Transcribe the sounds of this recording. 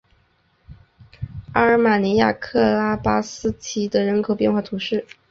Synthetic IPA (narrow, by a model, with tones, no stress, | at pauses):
a˥˩ə˧˥ma˨˩ni˧˥ja̰˥˩kʰɤ˥˧la˥pa˥sɹ̩˥t͡ɕʰi˧˥d̪ə˨ɻə˧˥nkʰo˨˩ʊpjɛ˥˧nxwa˥˩t̪ʰu˧˥ʂɻ̩˥˩